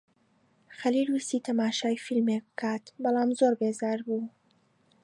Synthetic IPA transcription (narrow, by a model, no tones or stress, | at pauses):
xɐlilwist̪iːt̪ʰɐmaːʃaːjfilmek̚bɨkʰaːt̪bɐlˠaːmzoɾbeːzaːɾbuː